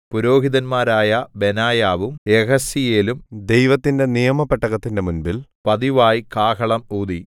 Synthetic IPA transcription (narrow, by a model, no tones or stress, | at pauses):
puɾo̞ːɦiðɐnmaːɾaːjɐbenaːjaːʋumeɣɐsijeːlumd̪e̞jʋɐt̪ːinde̞nijɐmɐpːeʈːɐɣɐt̪ːinde̞munbilpɐðiʋaːjikaːkʰɐɭɐmuːd̪i